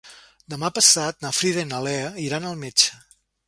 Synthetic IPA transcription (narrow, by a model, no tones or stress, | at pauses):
d̪əmapəsat̪nafɾiðenəlɛəiɾanəlˠmet͡ʃə̥